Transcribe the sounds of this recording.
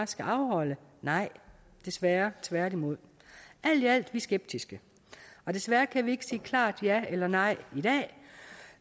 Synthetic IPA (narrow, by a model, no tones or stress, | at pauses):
sɡ̥æʔɑ̈ʊhɒ̽lənɑ̈ɪ̰ | d̥e̝sʋæːɐt͡sʰʋæɐɾ̥imo̝ð̞̰ˠ | æl̰d̥iæl̰d̥ʋisɡ̥eb̥̚d̥isɡ̥ə | ɒ̽d̥e̝sʋæːɐkʰæʋie̝ɡ̥ə̥siːkʰlɑ̰̈ːd̥jæelɐnɑ̈ɪ̰id̥ɛ̰ː